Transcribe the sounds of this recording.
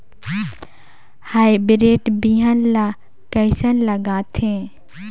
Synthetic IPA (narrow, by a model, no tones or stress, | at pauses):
haːibɾeːʈbiɦənla | kɐɪsənlɐɡaːt̪ʰẽː